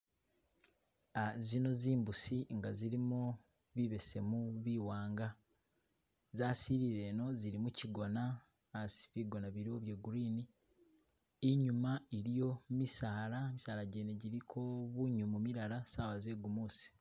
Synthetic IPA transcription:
azino̞ziːmbusiŋɡaziɾimu | βiβe̞se̞muβiwaːŋɡa | zaːsiɾiɾe̞no̞ziɾimuciɡo̞naː | si̥βiɡo̞naβiɾioβjeːɡuɾiːni | ɲumaiɾijo̞misaːɾamisaːɾaɟeːneɟiɾikʰoβuɲumumiɾaɾasaːβazeːɡumuːsi̥

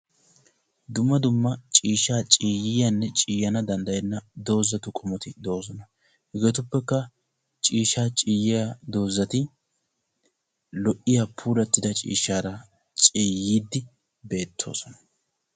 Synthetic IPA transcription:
d̪ʊmːɐd̪ʊmːɐt͡ʃʼiːʃːaːt͡ʃʼiːjɪjanːɛt͡ʃʼiːjɐnɐd̪ɐnd̪ɐjɛnːɐd̪o̞ːzɐt̪ʊkʼɔmɔt̪ɪd̪o̞ːs̬ɔnɐ | hɛɡeːt̪ʊpːɛkːɐ | t͡ʃʼiːʃːaːt͡ʃʼiːjɪjad̪o̞ːzːɐt̪ɪ | lɔʔɪjapʰuːlɐt̪ːɪd̪ɐt͡ʃʼḭːʃːaːɾɐ | t͡ʃʼiːjiːd̪ːɪ | be̞ːt̪ʰːo̞̰ːsɔnɐ̥

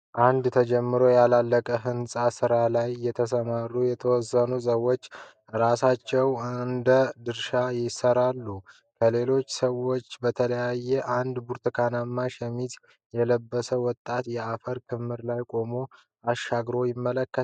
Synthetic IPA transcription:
ʔand̪t̪ʰəd͡ʒɛmːɨɾo̞jalalːəkʼəɦɨnsʼasɨɾalajːɛt̪ʰəs̬əmaɾujɛt̪ʰəwɔzːənus̬əwːo̞t͡ʃː | ɾasat͡ʃːɛwɨnd̪əd̪ɨɾʃajɪsəɾalːu | kʰəle̞lo̞t͡ʃːsəwo̞t͡ʃːbət̪ʰələjajːɛʔand̪buɾt̪ʰɨkʰanamːaʃɛmit̪ | jɛləbːəsəwɔt̪ʼːat̪jɛafəɾkʰɨmːɨɾlajkʼo̞mo̞ | aʃːaɡɾo̞jɪmːələkːə

